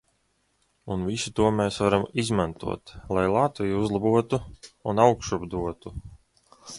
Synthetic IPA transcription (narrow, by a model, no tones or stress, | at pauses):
unvisut̪uɔmeːsvaɾamizmant̪ṵɔt̪lˠajlˠat̪vijuuzlˠabuɔt̪uunawkʃubd̪uɔt̪u